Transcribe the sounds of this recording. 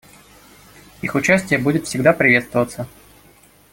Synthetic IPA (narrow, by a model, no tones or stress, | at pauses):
ixʊt͡ɕæsʲtʲɪjəbudʲɪt̪fsʲɪɡd̪apɾʲɪvʲe̞t̪st̪vəvət̪sə